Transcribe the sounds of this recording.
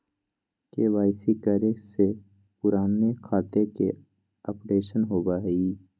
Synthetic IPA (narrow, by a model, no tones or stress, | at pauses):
keʋaːɪsikəɾese | pʊɾaːmekʰaːt̪eke | əpɽeːʃənɦoːbaːiː